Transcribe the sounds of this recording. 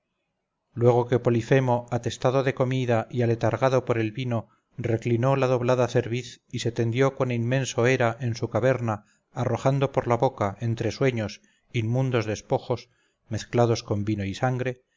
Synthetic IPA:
lwe̞ɣ̞o̞ke̞po̞life̞mo̞at̪e̞st̪aðoðe̞ko̞miðaʔiale̞t̪aɾɣaðo̞poɾe̞lβino̞ | re̞klino̞laðo̞βlaðaθe̞ɾβiθise̞t̪e̞nd̪jo̞ko̞ninmẽ̞nsoe̞ɾaʔe̞nsukaβe̞ɾnaː | ro̞xand̪o̞po̞ɾlaβokaʔe̞nt̪ɾe̞swe̞ɲo̞s | immũnd̪o̞zðe̞spo̞xo̞s | me̞θklað̞o̞sko̞mbinoisaŋɡɾe̞

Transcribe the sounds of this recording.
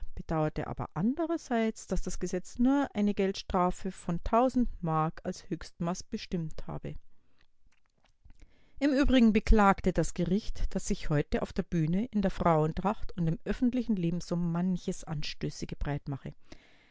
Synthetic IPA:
b̥əd̥aʊɐtə̰ʔa̰ːbɐ̰ʔandəʁɐzaɪt͡sd̥asd̥asɡ̥əzɛt͡snuːɐʔaɪnəɡɛltʃtʁ̥aːfəfɔntʰaʊzn̩tmaɐkalshøːçstmasb̥əʃtɪmtha̰ːbə | ʔɪmʔyːbʁɪɡŋ̩bəkl̥aːktədasɡ̥əʁɪçtd̥asz̥ɪçhɔʏtəʔa̰ʊfd̥eːɐbyːnəʔɪndeːɐfʁ̥aʊəntʁaχtʊntɪmʔœfn̩tlɪçn̩leːbm̩sʊmmançəsʔa̰nʃtøːsəɡ̥əbʁaɪtmaχə

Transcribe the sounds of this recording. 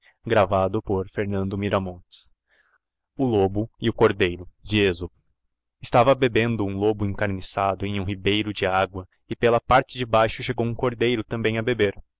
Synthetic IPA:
ɡɾavad̪ʊpoɾfeɾnɐ̃nd̪ʊmiɾɐmõnt͡ʃɪ̥s | ʊlobʊɪʊkoɾd̪ejɾʊd͡ʒɪezʊ | ɪst̪avɐbebẽnd̪ʊũlobʊẽŋkaɾnisad̪ʊẽj̃ũɦibejɾʊd͡ʒɪaɡwɐ | ɪpelɐpaɾt͡ʃɪd͡ʒɪbajʃʊʃeɡowũkoɾd̪ejɾʊt̪ɐ̃mbẽj̃ɐbebeɾ

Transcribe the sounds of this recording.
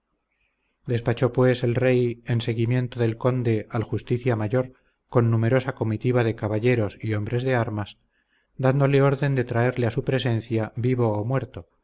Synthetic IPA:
d̪e̞spat͡ʃo̞pwe̞se̞lre̞je̞nse̞ɣimjẽ̞nt̪o̞ðe̞lko̞nd̪e̞alxust̪iθjamaʝo̞ɾ | ko̞nːume̞ɾo̞sako̞mit̪iβaðe̞kaβaʎe̞ɾo̞sio̞mbɾe̞zðe̞aɾmas | d̪and̪o̞le̞o̞ɾðe̞nd̪e̞t̪ɾae̞ɾle̞asupɾe̞se̞nθjabiβo̞ːmwe̞ɾt̪o̞

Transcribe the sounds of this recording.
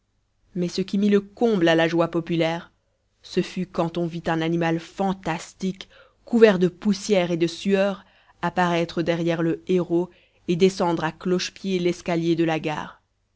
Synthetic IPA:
mɛsəkʲimiləkɔ̃blalaʒwapɔpylɛʁ | səfykɑ̃t̪ɔ̃vit̪ɛ̃nanimalfɑ̃t̪ast̪ikː | uvɛʁd̪əpusjɛʁed̪əsyœʁ | apaʁɛt̪χəd̪ɛʁjɛʁləeʁo | ed̪esɑ̃d̪ʁaklɔʃpjelɛskaljed̪əlaɡa̰ːʁ

